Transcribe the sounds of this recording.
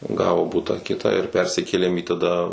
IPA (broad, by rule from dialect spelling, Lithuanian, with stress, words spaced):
ˈɡɑːʋoː ˈbʊtɑː ˈkʲɪtɑː ɪr ˈpʲɛrʲsʲɪkʲeːlʲeːm iː tɐˈdɐ